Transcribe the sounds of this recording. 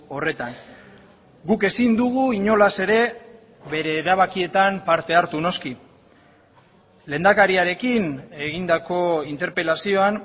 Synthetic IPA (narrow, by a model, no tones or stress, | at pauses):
o̞re̞t̪aŋ | ɡuke̞sind̪uɣuiɲo̞lase̞ɾe̞ | βe̞ɾe̞ːɾaβ̞akie̞t̪ampaɾt̪e̞aɾt̪uno̞ski | le̞ːnd̪akaɾiaɾe̞kine̞ɣind̪ako̞int̪e̞ɾpe̞lasio̞an